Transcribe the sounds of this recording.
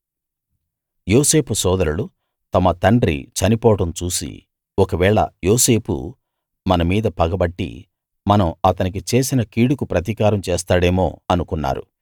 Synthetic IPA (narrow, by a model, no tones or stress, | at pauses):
joːse̞ːpusɔːd̪ɐɾulu | t̪ɐmɐt̪ɐɳɖɾḭt͡ʃɐnipɔːɐʈɐmt͡ʃuːsḭ | ɔkɐʋɛːɭɐ̰joːse̞ːpʰṵ | mɐnɐmiːd̪ɐpɐɡɐbɐʈːḭ | mɐnɐmɐt̪ɐnik̬it͡ʃe̞ːsinɐkiːɽukupɾɐt̪ikaːɾɐmt͡ʃeːst̪aːɽe̞ːmoːɐnukunːa̰ːɾṵ